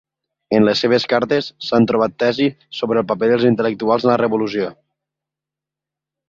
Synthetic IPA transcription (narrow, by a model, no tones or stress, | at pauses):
ənləsːeβ̞əskaɾt̪əsːant̪ɾuβ̞at̪ːɛzi | soβɾəlˠpəpeðəlˠzint̪ələk̚t̪ualˠzələrəβulusio